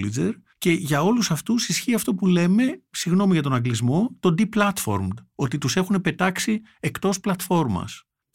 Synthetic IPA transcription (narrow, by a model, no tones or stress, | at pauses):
lid͡ze̞̰ɾce̞ʝɐo̞lusɐft̪usisçiɐft̪o̞pule̞me̞siɣno̞miʝɐt̪o̞nɐŋɡlizmo̞t̪o̞d̪iplɐt̪fo̞̰ɾmd̪o̞t̪it̪use̞xune̞pe̞t̪ɐksi | ekt̪o̞splɐt̪fo̞ɾmɐ̰s